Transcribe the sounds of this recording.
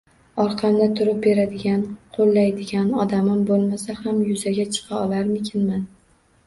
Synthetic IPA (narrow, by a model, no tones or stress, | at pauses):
ɒɾqʰɑmd̪at̪ʰʊɾɪp̚beɾad̪ɪɡʲanqʰolːajd̪ɪɡʲanɒd̪amɪmbolˠmasahamjʊzaɡʲat͡ʃʰɨ̥qʰɑɒlaɾmɪkʲʰɪnman